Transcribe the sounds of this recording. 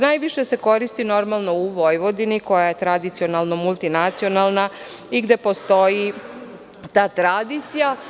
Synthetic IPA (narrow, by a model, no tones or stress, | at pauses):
najʋiʃe̞seko̞ɾist̪ino̞ɾmalˠno̞uʋo̞jʋo̞d̪iniko̞jaje̞t̪ɾad̪it̪sio̞nalˠnomulˠt̪inat̪sio̞nalˠnaiɡd̪e̞po̞st̪o̞ji | t̪aːt̪ɾad̪it̪sija